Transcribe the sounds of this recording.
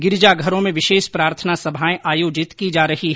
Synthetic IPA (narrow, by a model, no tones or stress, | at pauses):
ɡɪɾd͡ʒaɡʱɐɾõmẽʋɪʃeːʃpɾaːɾt̪ʰənasɐbʱaːẽʔaːjoːd͡ʒɪt̪kid͡ʒaːɾɐɦiɦ